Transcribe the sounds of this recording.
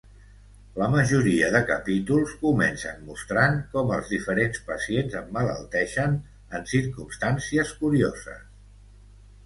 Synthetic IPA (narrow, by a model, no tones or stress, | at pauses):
ləməʒuɾiəðəkəpit̪ulˠskumɛnsənmust̪ɾaŋkɔməlˠzðifəɾenspəsienzəmːələ̰lˠt̪ɛʃən | ənsiɾkumst̪ansiəskuɾiozə̰s